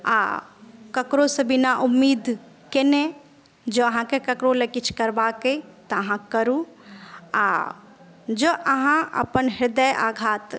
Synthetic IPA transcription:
a̰kəkɾosebinaʔumːiːd̪ʱ | kenẽ | d͡ʒoəɦãkekəkɾolekit͡ʃʰkəɾbaket̪əəɦãkəɾũ | a̰ | d͡ʒəʔəɦãə̰pənɦɪɾd̪əjʔaɡʱaːt̪

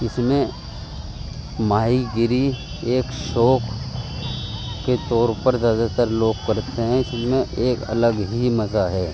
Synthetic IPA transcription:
ɪsmẽ | maːiɡɪɾi | eːkʃoːkʰ | et̪ɔːɾpəɾzjaːd̪at̪əɾloːɡ̚kɐɾt̪eɦɛ̃ɪsmẽʔeːkɐ̰ləɡɦimɐzaɦɛː

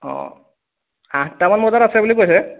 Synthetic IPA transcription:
ɔ̰̃ | a̰ɦtamanmɔzaɾasɛbulikojsɛ

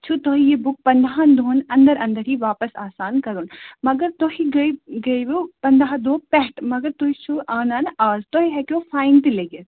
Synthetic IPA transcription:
t͡ʃʰut̪oːɦijebʊk̚pɐnd̪aɦãnd̪oːnɐ̃nd̪əɾɐ̃nd̪əɾɦiʋaːpəsaːsaːnkɐɾunmɐɡəɾt̪oːɦiɡɐiɡɐiʋopɐnd̪aɦad̪oːpɛɦʈmɐɡəɾt̪oːɦit͡ʃʰuʔaːnaːnaːzt̪oɦiɦɛkofʰaːɪnt̪ileːɡe

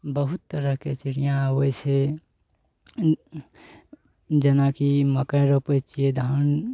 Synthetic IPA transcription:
bəɦut̪ːəɾəɦket͡ʃiɾijãwəjse | d͡ʒenakiməkajɾəpət͡ʃijed̪ʱən

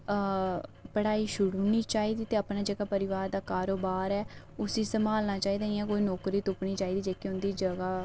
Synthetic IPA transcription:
pəɽaːiːʃʊɽuniːt͡ʃaːiːd̪iːt̪eːəpnaːd͡ʒəɡaːpəɾɪʋaːɾd̪aːkaːɾoːbaːɾɛː | ʊsiːsəmaːlnaːt͡ʃaːiːd̪aːnĩɛ̃ːkoːiːnɔːkɾiːt̪ʊpɳiːt͡ʃaːiːd̪iːd͡ʒeːkiʊ̃nd̪iːd͡ʒəɡaː

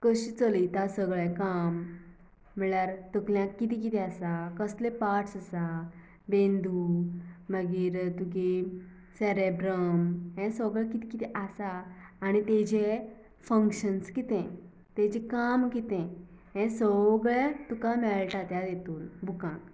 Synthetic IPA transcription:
kəɕit͡səlit̪asəɡɭɛ̃kamː | iɭaɾt̪əkljãkːit̪ik̬it̪ʰɛasakəslepaʈsasa | bẽnd̪uməɡiːɾt̪uki | sɛɾebɾəmɦɛ̃səɡɭakit̪ikit̪ʰɛʔasaːñit̪ɛd͡ʑe | fə̃ŋkɕənskit̪ɛ̃ | t̪ɛ̃d͡ʑɛkamkit̪ɛ̃ | ɦɛ̃səɡɭat̪ukamɛlʈat̪jad̪et̪uːnbʱukãk

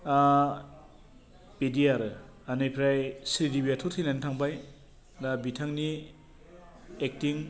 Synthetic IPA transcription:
a | pediaɾɯ | anɯjpʰɾajsɾidibiatʰutʰinantʰaŋbaj | dabitʰaŋni | ek̚tiŋ

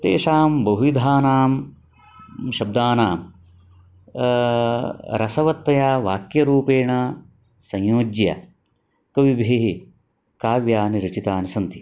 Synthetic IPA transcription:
t̪ḛːʂaːmbɐɦujid̪ʱaːnaːm | ʃɐb̚d̪aːnaːm | ɾɐsɐʋɐt̪ːɐjaːʋaːkjɐɾuːpeːɳɐ | sɐ̃jjoːd͡ʒjɐ̰ | kɐʋibʱiɦi | kaːʋjaːniɾɐt͡ʃit̪aːnisɐnt̪i̥

